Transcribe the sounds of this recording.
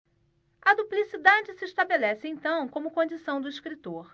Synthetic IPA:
ɐd̪uplisid̪ad͡ʒɪsɪeʃt̪abelɛsɪẽj̃t̪ɐ̃w̃kõmʊkõd͡ʒisɐ̃w̃d̪ʊiʃkɾit̪oɾ

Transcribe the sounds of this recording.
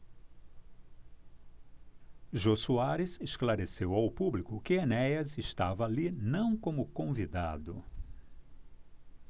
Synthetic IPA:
ʒosuaɾɪzesklaɾesewawpublikʊkɪenɛjɐzeʃt̪avɐalinɐ̃w̃kõmʊkõvid̪a̰d̪ʊ

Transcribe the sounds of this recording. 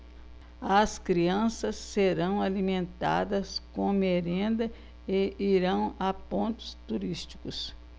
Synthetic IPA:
ɐskɾiɐ̃sɐsːeɾɐ̃w̃alimẽnt̪a̰d̪ɐskõmeɾẽnd̪ɐ | eiɾɐ̃w̃ɐpõnt̪ʊ̥st̪uɾist͡ʃi̥kʊs

